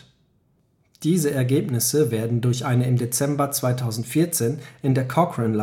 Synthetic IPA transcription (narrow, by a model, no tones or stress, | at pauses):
d̥iːzəɛɐɡeːpnɪsəveːɐdn̩dʊɐçʔaɪnəɪmdet͡sɛmbɐt͡sv̥aɪtʰaʊzn̩tfiːɐt͡seːnʔɪndeːɐkʰɔkʁənla